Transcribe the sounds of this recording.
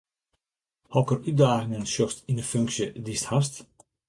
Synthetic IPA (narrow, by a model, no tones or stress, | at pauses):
hɔkərʔyt̚daːɣɪŋənʃɔstɪndəfʏŋksjədisthast